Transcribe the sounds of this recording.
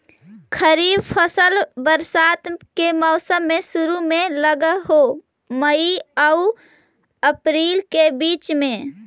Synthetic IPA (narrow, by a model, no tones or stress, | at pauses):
kʰəɾiːbpʰəsəlbəɾsaːt̪kemɔːsəmːẽsʊɾumẽləɡəɦo | məiəu | əpɾiːlkebiːt͡ʃmẽ